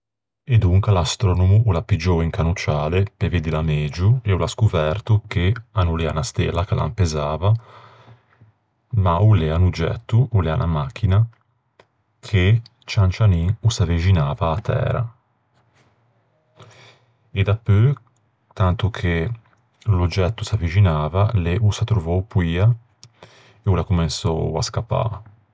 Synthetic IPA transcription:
ed̪uŋkalast̪ɾɔnomuʔulapid͡ʒoiŋkanut͡ʃaːlepeved̪ilamed͡ʒueulaskuvɛrt̪okeanuleanast̪ḛlakelʔa̰mpezaːva | mauleanud͡ʒɛ̰t̪ːuulɛanʔa̰mak̟ːina | kʰe | t͡ʃant͡ʃaniŋusavid͡ʒinaːvaːt̪ʰːɛ̰ːɾa̰ | ed̪apːø | t̪ant̪ukʰe | lud͡ʒɛt̪ːusavid͡ʒinaːvaleʔusat̪ɾuvɔwpwiːa | eulakumensɔa̰skapːa̰

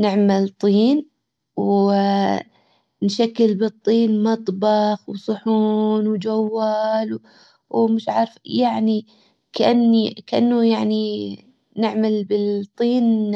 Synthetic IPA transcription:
nɪʕmalt̪ˤiːn | w | nʃakːɪlbɨt̪ˤːiːnmɑt̪ˤbɑxwsˤʊħuːnwd͡ʒawːaːl | wmɪʃʕaːɾfjaʕni | kaʔanːikaʔanːujaʕni | nɪʕmalbɪt̪ˤːiːn

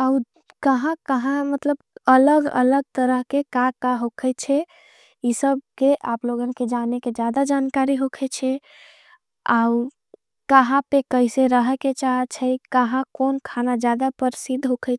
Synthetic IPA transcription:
au | kəɦãkəɦãmət̪ləbələɡə̰ləɡ̚t̪əɾəɦkekakaɦokʰət͡ʃʰɛ | isəb̚keʔaploɡənked͡ʒaneked͡ʒjad̪ad͡ʒankaɾiɦokʰɛt͡ʃʰɛ | au | kəɦãpekəiseɾəɦket͡ʃaɦt͡ʃʰɛikəɦãkonkʰanad͡ʒjad̪apəɾsid̪ʱɦokʰət͡ʃʰ

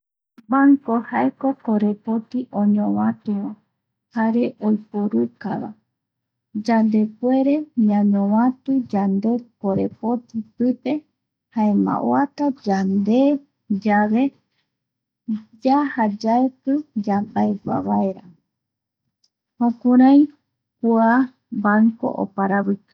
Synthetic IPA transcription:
baŋkohaeko̞koɾe̞po̞t̪iʔõɲõwãt̪ewõ | haɾe̞ʔojpoɾuka̰βa̰ | d͡ʒand̪e̞kwe̞ɾe̞ɲãɲõwãt̪ɨd͡ʒand̪e̞koɾe̞po̞t̪ipɨpe̞ | haemã̰ʔoat̪ad͡ʒand̪e̞ | d͡ʒaβe̞ | d͡ʒahad͡ʒaekɨd͡ʒabaeɡʷa̰βaeɾa | hõkuɾãj̃ | kua | bako̞̰ʔo̰paɾaβɨkḁ

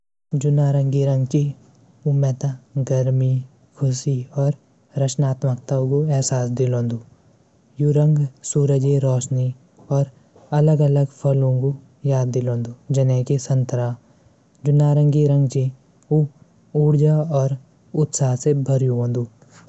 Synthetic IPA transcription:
d͡ʒʊnaːɾə̃ŋɡiɾə̃ŋɡt͡ʃi | umɛːt̪aɡəɾmi | kʰʊsiɔːɾ | ɾət͡ʃnaːt̪məkt̪ãkoɛɦsaːs̬d̪ɪlõːnd̪u | juɾə̃ŋɡsuːɾəd͡ʒeɾɔːʃni | ɔːɾ | ɐləɡɐləɡpʰɐlõko | jaːd̪ːɪlõːnd̪uːd͡ʒɐneːkisə̃nt̪əɾaː | d͡ʒʊnaːɾə̃ŋɡiɾə̃ŋɡt͡ʃi | u | uːɽd͡ʒaɔːɾ | ʊt̪saːɦsebʱɐɾjuɦõːnd̪uː

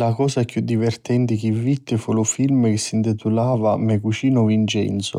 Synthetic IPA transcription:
lakɔːsakjud̪ːivɛrt̪ɛnt̪ɪk̟ivvit̪ːɪfulʊfilmk̟ɪsːint̪it̪ulaːvamɛkut͡ʃiːnʊvint͡ʃɛ̰nt̪sʊ̰

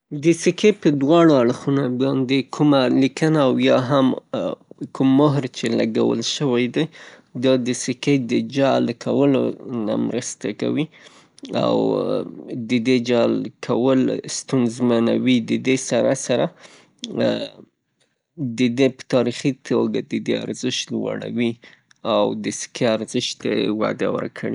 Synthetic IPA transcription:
d̪əsikepəd̪wɑɽoaɽxunobɑnd̪ekʰumalikənaːwjɑɦam | kumːʊɦɾt͡ʃela̰ɡa̰wə̰lʃəwajd̪aj | d̪ɑd̪əsɪked̪əd͡ʒɑlkʰawəlo̰na̰mɾəst̪aka̰wi | a̰w | d̪əd̪ed͡ʒɑlkʰawəlst̪unzmanawid̪əd̪esaɾasaɾa | d̪əd̪epə̥t̪ɑɾixit̪ʰoɡad̪əd̪ea̰ɾzəʃt̪lwa̰ɽa̰wi | awd̪əsɪ̥keaɾzəʃt̪ewa̰d̪awə̰ɾkʰəɽi

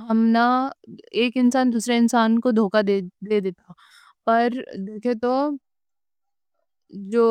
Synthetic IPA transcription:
ɦɐmna | eːkɪnsaːnd̪uːsɾeɪnsaːnkod̪ʱoːkad̪ed̪eːd̪eːt̪a | pɐɾd̪eːkʰet̪o | d͡ʒoː

